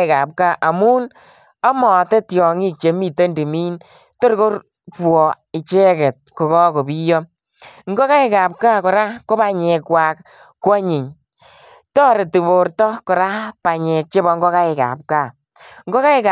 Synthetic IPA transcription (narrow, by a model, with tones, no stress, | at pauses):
ɪ˨ka˨p̚ka˦˨ʔa˨mu˦n | a˦mɔ˨te˦tjɔ˨ŋi˦k̚t͡ʃe˨mi˨te˦ndi˨miː˦n | to˦ɾko˦ɾ | pwɔ˨ | ɪ˨t͡ʃe˦kɛ˨t̚ko˨kɔ˦ko˨bi˦jɔ˦ | ŋɡɔ˦ka˦ɪ˦ka˨p̚ka˦kɔ˨ɾa˦ko˦ba˨ɲe˨kwa˨k | kːwɔ˦ɲɪ˨ɲ | tɔ˦ɾe˨ti˨bo˨ɾtɔ˦ko˨ɾa˦pa˨ɲe˨k̚t͡ʃe˦bɔ˧ŋɡɔ˦ka˦ɪ˨ka̰˨p̚ka˦˨ | ŋɡɔ˦ka˦ɪ˦ka